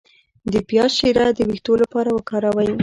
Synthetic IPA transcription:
d̪əpjɑʃiɾad̪əwixt̪olapɑɾawəkɑɾawaj

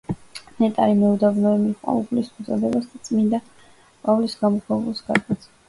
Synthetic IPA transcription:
nɛt̪ʼaɾimɛud̪abnɔɛmiχʼwa̰upʰlismut̪sʼɔd̪ɛbasd̪at̪sʼmind̪a | pʼavlisɡamɔχʰɔvulˠsɡ̥ad̪at̪s

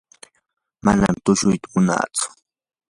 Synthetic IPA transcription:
manamt̪ʊʃʊjt̪amʊna̰ːt͡sʊ̥

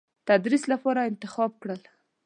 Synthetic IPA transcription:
t̪ad̪ɾislapɑɾaɪnt̪ɪxɑb̚kɽəl

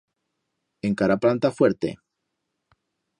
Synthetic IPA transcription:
eŋkaɾaplant̪afweɾt̪e̞̰

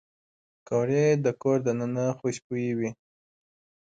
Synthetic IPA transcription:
koɾed̪əkoɾd̪ənənaxoɕpujiwi

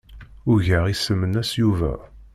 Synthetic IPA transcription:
ʊɾʝəʁisəmːənæsjuvæ̰

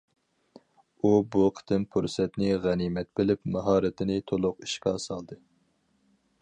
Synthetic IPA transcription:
ubuqʰə̥t̪ɪmpʰuɾsɛt̪nɪʁɛnimɛt̪̚bɪlɪpmɑɦɑːɾɨt̪ʰɪnɪt̪ʰolˠʊqi̥ʃkʲɑsɑlˠd̪ɨ

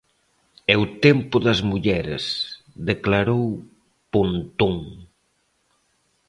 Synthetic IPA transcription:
ewt̪empʊðɐzmuʎɛɾḛs | ðeklaɾow | punt̪uŋ

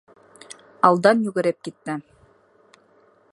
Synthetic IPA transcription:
ɑlˠd̪ɑnjʉɣɘ̆ɾɘp̚kit̪ːɘ

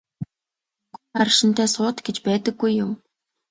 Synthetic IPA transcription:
ɡ̥uarʃɪ̆nt̪ʰæːsʊːt̪ɡ̥et͡ɕpæːt̪ə̆ɡːujːʊm

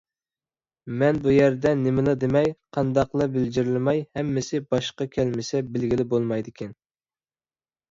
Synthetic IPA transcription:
mɛnbujæɾd̪ɛnɪmɪlˠɨd̪emɛjqʰɑnd̪ɑqlˠɑbɪld͡ʒiɾɪlɪmɑjhɛmːɪsɪbɑʃqɑkʲʰɛlmɪsɛbɪlɡʲilɪbolˠmɑjd̪ɪkʲʰɛn

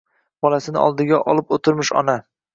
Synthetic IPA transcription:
b̥ɒlasɪnɪ̰ɒ̰lˠd̪ɪɡʲaʔɒlˠɪpot̪ʰɪɾmɪʃɒ̰na

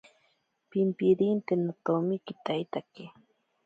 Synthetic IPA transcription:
pɪmpiɾint̪enat̪omɪkɪt̪ajt̪ake

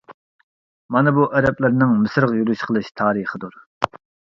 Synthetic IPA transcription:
mɑnɨbuʔɛɾɛplɪɾnɪŋmɨsɾəʁjyɾyʃqʰəlˠɨʃt̪ʰɑːɾiχəd̪uɾ

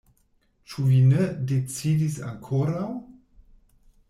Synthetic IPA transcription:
t͡ʃuvinedet͡sidisa̰ŋkʰoɾaw

